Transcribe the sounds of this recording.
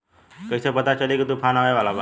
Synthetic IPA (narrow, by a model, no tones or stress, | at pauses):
kəjsepət̪at͡ɕəlikit̪upʰanaʋajʋalaba